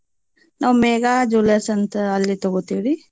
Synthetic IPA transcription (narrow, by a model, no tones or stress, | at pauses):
naːʋmeːɡad͡ʒuːlesɐnt̪ɐɐlːit̪ɐɡot̪iːɾi